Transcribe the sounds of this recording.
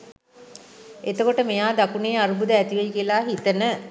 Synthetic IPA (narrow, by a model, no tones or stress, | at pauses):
et̪əkoʈəmijaːd̪akuneːaɾubud̪əæt̪iʋejkiəlaːɦit̪ənə